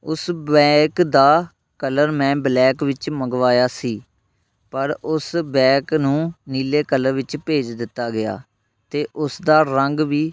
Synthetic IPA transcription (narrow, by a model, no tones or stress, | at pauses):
ʊsbɛːkd̪aː | kələɾmɛ̃ːblɛːkʋɪt͡ʃməɡʋaːjaːsiː | pəɾʊsbɛːknũːniːleːkələɾʋɪt͡ʃpeːd͡ʒd̪ɪt̪ːaːɡɪja̰ː | t̪eːʔʊsd̪aːɾəŋɡʋiː